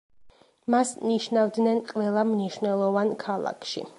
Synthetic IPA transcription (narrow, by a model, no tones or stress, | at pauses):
masniʃnavd̪nɛnqʼvɛlˠamniʃnɛlˠɔvankʰalˠa̰kʰʃḭ